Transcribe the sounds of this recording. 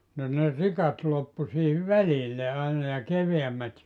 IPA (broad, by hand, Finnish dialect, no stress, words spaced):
no ne rikɑt lopːu siːhiʋ ʋælilːe ɑinɑ jɑ keʋeæmːæt